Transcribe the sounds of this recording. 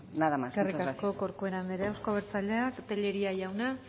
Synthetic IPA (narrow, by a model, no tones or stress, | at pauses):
naðamasskerikaskoko̞ɾkueɾand̪eɾeawskoβ̞eɾt͡saʎeakt̪eʎeɾiajawna